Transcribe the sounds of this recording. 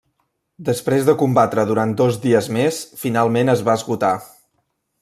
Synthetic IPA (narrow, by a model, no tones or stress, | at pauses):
d̪əspɾezðəkumbat̪ɾəðuɾan̚d̪ozðiəzmesfinalˠmenəzβaəzɣut̪a